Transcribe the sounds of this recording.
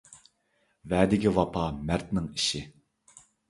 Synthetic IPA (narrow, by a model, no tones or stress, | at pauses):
vɛːd̪ɪkʲiwɑpʰɑmæɾt̪nɪŋiʃɪ